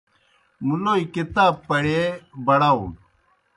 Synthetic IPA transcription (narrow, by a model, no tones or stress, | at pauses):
muloːikit̪aːbpɐɽebɐɽaw